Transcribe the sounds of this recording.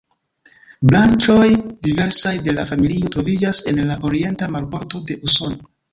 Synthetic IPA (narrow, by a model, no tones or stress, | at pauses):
blant͡ʃo̞jdive̞ɾsajde̞la̰familio̞tɾo̞vid͡ʒase̞nlaʔo̞ɾie̞ntamaɾpo̞ɾto̞de̞ʔuso̞no